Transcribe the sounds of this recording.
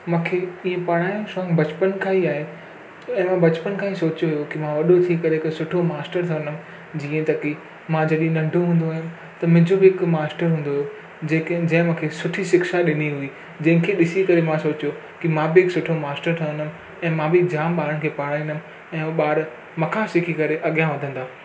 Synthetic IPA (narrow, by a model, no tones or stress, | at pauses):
mãːkʰeiːẽpɐɽ̤aːĩʃɔ̃ːŋbɐt͡ɕpənkʰaːɦiaːɦe | ɛ̃ːmãbɐt͡ɕpənkʰãːɦisoːt͡ɕjoɦijokimãʋɐɗot̪ʰiːkɐɾeɪksʊʈʰomaːsʈəɾt̪ʰɐʋə̃nəmɪ̆ | d͡ʑiːẽt̪ɐki | mãd͡ʑɐɗĩẽnɐ̃ɳɖʱoɦũːnd̪oaːɦɪnɪ̆ | t̪ɐmɪ̃ɦɲd͡ʑobɪɪkmaːsʈəɾɦũːnd̪oːjo | d͡ʑekd͡ʑɐ̃ɦɪ̃mʊ̃kʰeːsʊʈʰiʃɪkʃaɗɪniɦui | d͡ʑɐ̃ɦɪ̃kʰeːɗɪsikɐɾemãsoːt͡ɕjo | kimãbɪɪksʊʈʰomaːsʈəɾt̪ʰɐʋə̃nəm̆ | ɛ̃ːmãbɪd͡ʑaːmɓaːɾəñɪ̆kʰeːpɐɽaːĩnd̪əm | ɛ̃ːɓaːɾ | mɐ̃kʰãsɪkʰikɐɾeʔɐɠijãʋɐd̪ʱə̃nd̪aː